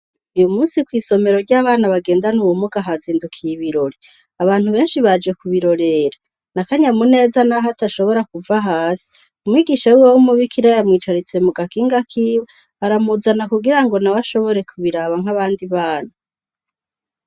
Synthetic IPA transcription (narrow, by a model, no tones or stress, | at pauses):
ujumuːnsikwiːso̞me̞ɾo̞ɾɟaːβaːnaβaɡe̞ːndanuwumuɡaɦaziːndukʰijiβiɾo̞ɾi | aβaːn̥huβe̞ːnʃiβad͡ʒekuβiɾo̞ɾe̞ɾa | nakaɲamune̞ːzanaɦataʃo̞βo̞ɾakuvaɦaːsi̥ | umŋiːɡiːʃawuwawumuβikiɾajamŋiːt͡ʃaɾit͡se̞muɡakiːŋɡakʰiːwe | haɾamuzanakuɡiɾaŋɡo̞naβaʃo̞βo̞ɾe̞kʰuβiɾaːβaŋɦaβaːndiβaːna